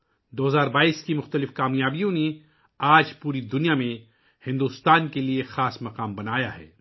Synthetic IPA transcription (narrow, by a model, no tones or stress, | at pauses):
d̪oːɦɐzaːɾbaːiːskimʊxt̪əlɪfkaːmjaːbijõne | aːd͡ʒpuːɾid̪ʊnijamẽ | hɪ̃nd̪uːst̪aːnkeliexaːsmɐqaːmbɐnaːjaɦɛ̰ː